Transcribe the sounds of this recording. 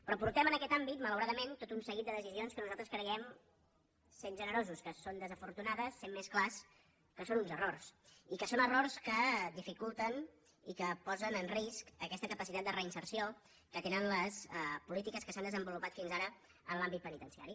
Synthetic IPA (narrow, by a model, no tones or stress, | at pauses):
pɾɔpuɾt̪ɛmənəkɛt̪ambit̪mələwɾaðəment̪ot̪unsəɣit̪̚d̪əðəsizionskənuzalˠt̪ɾəskɾəɣɛm | senʒənəɾozuskəsond̪əzəfuɾt̪unað̞əsːemːesklas | kəsonunzərorsikəsonərorskəd̪ifikulˠt̪ən | ikəpɔzənənriskəkɛst̪əkəpəsit̪at̪̚d̪ərəinsərsio | kət̪enənləspulit̪ikəskəsand̪əzəmbulupat̪finzaɾə | ənlambit̪pənit̪ənsia̰ɾi